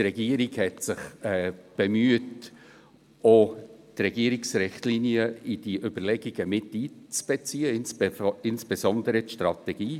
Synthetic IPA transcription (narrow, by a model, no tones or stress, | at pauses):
trɛɡiəɾiɡhɛtsɪχɛːb̥ɛmyət | otrɛɡiːəɾiksɾɪχtliniəid̥iʔʏb̥əɾlɛɡiɡ̥əmɪtiːt͡sb̥ɛt͡siːəɪnsɪnsb̥ɛzɔnd̪əɾətʃtrɑtɛɡ̥iː